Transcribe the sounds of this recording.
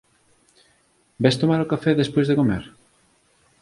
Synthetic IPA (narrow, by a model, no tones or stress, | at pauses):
bɛst̪omaɾokafɛðespojzðekomeɾ